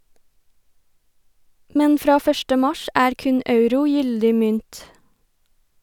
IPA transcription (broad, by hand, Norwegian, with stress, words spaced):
ˈmɛn ˈfɾɑː ˈfœʃʈə ˈmɑʃ ˈæːɾ ˈkʉn ˈɑʉɾʊ ˈjʏldɪ ˈmʏnt